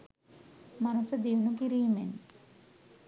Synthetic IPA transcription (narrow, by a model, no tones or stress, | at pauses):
manusəd̪iunukiɾiːmen